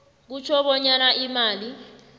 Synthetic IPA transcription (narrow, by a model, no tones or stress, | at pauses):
k̬ut͡ʃʰɔɓɔɲanaʔimaːli